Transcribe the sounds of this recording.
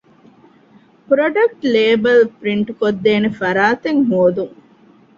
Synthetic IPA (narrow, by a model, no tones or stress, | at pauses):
pɾoɖɐk̚ʈleːbɐlpɾiɳʈukod̪ːeːnefɐɾaːt̪eŋɦoːd̪uŋ